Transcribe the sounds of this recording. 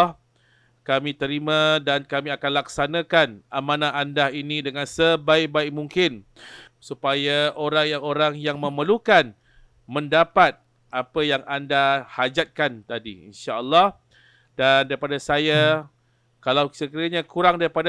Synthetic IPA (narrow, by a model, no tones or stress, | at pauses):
kamĩt̪əɾimãdankamĩakanlaksanãkanʔamãnãʔandainĩdəŋãnsəbaɪk̚baɪk̚muŋkɪn | supajaoɾaŋjaŋoɾaŋjaŋmə̃məlukan | mə̃ndapat̪̚ | ʔapəjaŋandahad͡ʒat̪̚kant̪adḭḭnʃaʔəlːɔh | dandaɾipadasaja | kalawsəkiɾaɲãkuɾaŋdaɾipad